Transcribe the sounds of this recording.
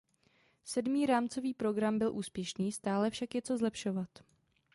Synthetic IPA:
sɛdmiːɾaːmt͡so̞viːpɾo̞ɡɾambɪlʔuːspjɛʃniːst̪aːlɛfʃakjɛt͡so̞zlɛpʃo̞vat̪

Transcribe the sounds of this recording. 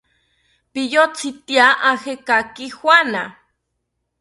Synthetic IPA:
pijot͡sit̪iaʔahekakixwana

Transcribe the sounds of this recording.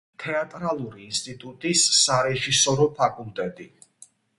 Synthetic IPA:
t̪ʰɛat̪ʼɾalˠuɾiːnst̪ʼit̪ʼut̪ʼisːaɾɛʒisɔɾɔpʰakʼulˠt̪ʼɛt̪ʼi

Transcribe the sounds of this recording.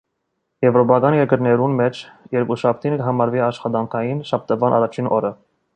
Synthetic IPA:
jɛvɾɔpɑkɑnjɛɾɡəɾnɛɾunmɛt͡ʃʰjɛɾkuʃɑp̚ʰt̪ʰinkəɦɑmɑɾviɑʃχɑt̪ɑŋkʰɑjinʃɑp̚t̪əvɑnʔɑ̰rɑt͡ʃʰinʔɔɾə

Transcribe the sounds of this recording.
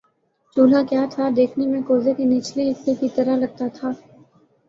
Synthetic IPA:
t͡ʃuːlakjaːt̪ʰad̪eːkʰnemẽkoːzekiniːt͡ʃleɪsekit̪ɐɾaɦlɐɡ̚t̪at̪ʰaː

